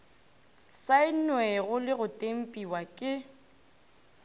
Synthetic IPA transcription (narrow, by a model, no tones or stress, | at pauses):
saɪnwɛɣʊlɪɣʊtʼem̩pʼiwakʼɪ